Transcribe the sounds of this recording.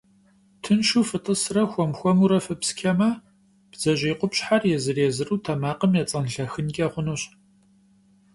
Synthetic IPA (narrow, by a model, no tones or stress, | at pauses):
tʰɨnʃufɨtʼɨsrɐxʷɔmxʷɔmuɾɐfɨpskʲʰɐmɐ | b̥zɐʑiːqʷʊpɕħarjɛzɨreːzɨruːtʰɐmaːqəmjɛt͡sʼɐnɬɐxɨnɡʲɐʁʷʊnuːɕ